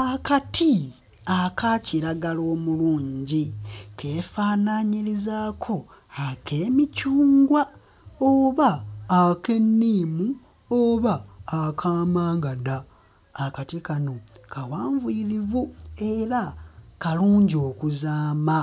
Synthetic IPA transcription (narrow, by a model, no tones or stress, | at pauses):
akatʰi | akaciɾaɡalo̞ːmuluːɲɟikʰe̞ːfaːnaɲiɾizaːkʰo̞ | akʰe̞ːmicuːŋɡwa | oβaːke̞nːiːmu | oβaːkʰaːmaːŋɡadaː | katikano̞kawaːɱvuiɾivue̞ɾakaluːɲɟo̞ːkuzaːma